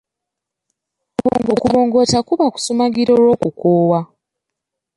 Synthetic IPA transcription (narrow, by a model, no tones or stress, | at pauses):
kuβo̰ːŋɡokuβoːŋɡo̞takuβaku̥sumaɡiɾo̞ɾo̞ːkukoːwa